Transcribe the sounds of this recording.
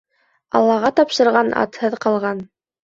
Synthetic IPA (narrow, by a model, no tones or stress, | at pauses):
ɑ̰lˠːɑʁɑt̪ɑpʃɤ̆ɾʁɑnʔɑ̰t̪hɤðqɑlˠʁɑn